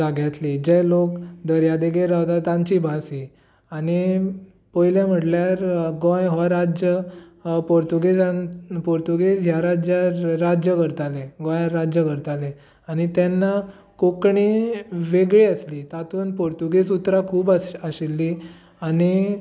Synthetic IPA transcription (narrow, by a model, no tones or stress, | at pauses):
aɡjat̪lid͡ʑelokd̪əɾjad̪eɡeɾawt̪at̪ãɲt͡ɕibʱasi | ani | pojljãm̤əʈljaɾɡɔ̃jɦɔɾad͡ʑjəpoɾt̪uɡesanpoɾt̪uɡesɦjaɾad͡ʑjaɾːad͡ʑjəkəɾt̪alẽɡɔ̃jaɾad͡ʑjəkəɾt̪ale | añit̪ɛnːa | kokɳiʋeɡɭiəsliːt̪at̪uːnpoɾt̪uɡesut̪ːɾakʰuːbaɕilːi | ani